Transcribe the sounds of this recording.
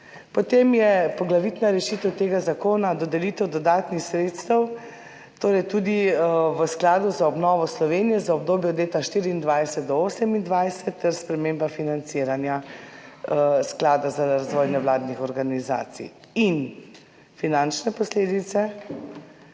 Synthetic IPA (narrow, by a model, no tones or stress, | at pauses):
pɔt̪emjɛpɔɡlaʋit̪naɾɛʃit̪ɛwt̪eːɡazakoːnad̪ɔd̪ɛlit̪ɛwd̪ɔd̪aːt̪nixsɾeːt̪st̪əw | t̪oːɾɛjt̪ud̪iʋəsklaːd̪uzaɔbnɔːʋɔslɔʋenijɛzaɔb̚d̪oːbjɔd̪leːt̪aʃt̪iːɾiːnd̪ʋajsɛt̪̚d̪ɔoːsɛmind̪ʋajsɛt̪ːɛɾspɾɛmeːmbafinant̪siːɾanja | sklaːd̪azaazʋɔːjnɛwlaːd̪nixɔɾɡaniza̰ːt̪sḭ | in | finant͡ʃnɛpɔsleːd̪it̪sɛ